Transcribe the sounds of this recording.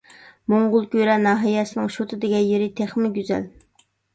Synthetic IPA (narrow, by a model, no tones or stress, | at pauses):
moɴʁʊlˠkʲyɾɛnɑːɦɑjɛsɪnɪŋʃot̪ʰɨd̪ɪɡʲɛjeɾɪt̪ʰeχmɪɡʲyzɛ̰l